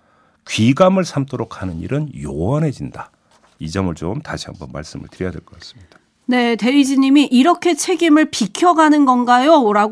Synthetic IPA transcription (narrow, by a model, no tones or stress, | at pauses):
kɥiɡamɯɭsʰamtʰoɾokʰanɯnḭɾɯnjowʌnɦe̞d͡ʑinda | id͡ʑʌmɯɭt͡ɕomtaɕʰiɦambʌnma̰ɭs͈ɯmɯ̰ɭtɯɾjijadweɭk͈ʌk͈as͈ɯ̥mɲid̥a | ne̞te̞id͡ʑiɲimiʔiɾʌkʰe̞t͡ɕʰe̞ɡimɯɭpikʰjʌɡanɯnɡʌnɡajoɾa